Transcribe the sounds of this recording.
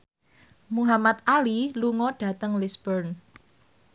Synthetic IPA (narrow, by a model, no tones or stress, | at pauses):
muɦamat̪̚ʔaliluŋɔɖ̥ä̤t̪əŋlisbərn